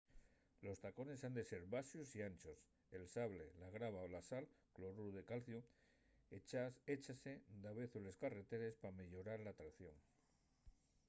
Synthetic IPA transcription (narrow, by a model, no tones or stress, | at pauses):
lo̞st̪ako̞ne̞sand̪e̞se̞ɾβasjusiant͡ʃo̞s | e̞lsaβle̞laɣɾaβ̞aolasalklo̞ɾuðe̞kalθju | et͡ʃase̞d̪aβe̞θule̞skare̞t̪e̞ɾe̞spame̞ʎo̞ɾaɾlaːt̪ɾakθjo̞ŋ